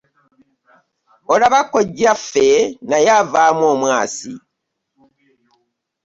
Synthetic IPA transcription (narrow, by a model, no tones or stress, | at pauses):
olaβakːoɟːafe̞najavaːmwo̞ːmwaːsḭ